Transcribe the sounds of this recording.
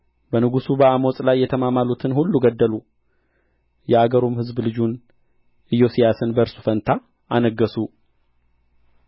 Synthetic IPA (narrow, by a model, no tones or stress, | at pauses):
bənɨɡusubəamosʼlajːɛt̪ʰəmamalut̪ʰɨnhulːuɡəd̪ːəlu | jɛaɡəɾomhɨzblɨd͡ʒun | ʔɨjːo̞sijasɨnbəɾsu̥fənt̪ʰa | ʔanəɡːəsu